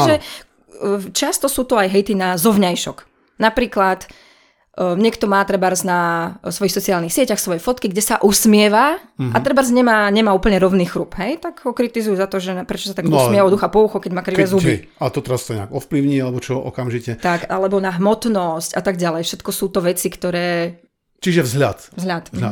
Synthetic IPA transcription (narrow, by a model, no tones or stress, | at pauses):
ʒɛ | t͡ʃast̪ɔsuːt̪ɔajɦɛjt̪inazɔʋɲajʃɔk | napɾiːklat̪ː | ɲɪɛkt̪ɔmaːt̪ɾɛbaɾznasʋɔjixsɔt͡siaːlnixsɪɛcaxsʋɔjɛfɔt̪kiɡɟɛsaʔusmɪɛʋaat̪ɾɛbaɾzɲɛmaːɲɛmaːuːpl̩ɲɛɾɔʊniːxɾuːpɦɛjt̪aɡɦɔkɾit̪izujuzat̪ɔʒɛnpɾɛt͡ʃɔsat̪aɡusmɪɛɛɔd̪uxapɔuxɔkɛɟmaːkɾiʋɛzubi | at̪ɔt̪ɛɾast̪ɔɲɛ̰aɡɔfpliʊɲialɛbɔt͡ʃɔɔ̰kamʒicɛt̪akalɛbɔnaɦmɔt̪nɔscat̪aɡ̚ɟalɛjfʃɛt̪kɔsuːt̪ɔʋɛt͡sikt̪ɔɾɛː | t͡ʃiʒɛvzɦlʎa̰t̪vzɦʎat̪